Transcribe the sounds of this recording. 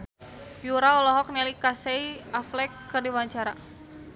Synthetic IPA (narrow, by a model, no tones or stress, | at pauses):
juɾaɔlɔɦɔk̚nɛlikaseiaflɛkːərdiwaɲt͡ʃaɾa